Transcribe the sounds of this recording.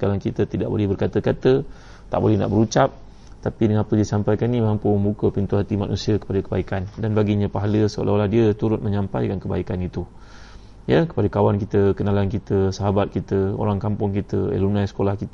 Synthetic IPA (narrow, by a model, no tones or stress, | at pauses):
kalaŋkit̪ət̪idaʔ̚bo̰lɛhbərkat̪əkat̪ə | t̪aʔbolɛhna̰ʔbəɾut͡ʃap̚ | t̪apidəŋanapədiəsampajkanĩmampuməmbukəpint̪uɦat̪ima̰nʔṵsiəkə̥padakəbaikandanbaɡiɲãpaɦaləsəo̰laolahdiət̪uɾʊt̪̚məɲãmpajkankəba̰ikanit̪u | jəkə̥padakawankit̪əkənalankit̪əsaɦabat̪̚kit̪əo̰ɾaŋkampʊŋkit̪ə̰ḛlunãjsə̥kolahkit̪